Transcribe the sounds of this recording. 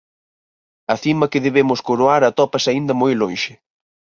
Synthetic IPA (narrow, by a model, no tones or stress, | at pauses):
ɐθimɐkɪðeβemʊskoɾoaɾɐt̪ɔpɐsaind̪ɐmojlõnʃɪ